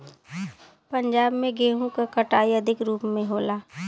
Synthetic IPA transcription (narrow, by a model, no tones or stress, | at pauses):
pɐ̃ɲd͡ʒaːbmẽɡeːɦũkakɐʈaːiɐd̪ʱɪkɾuːpmẽɦoːlaː